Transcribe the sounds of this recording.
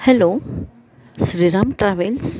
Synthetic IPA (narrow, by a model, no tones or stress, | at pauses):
hɛlo | sɾiɾaːmʈɾaʋels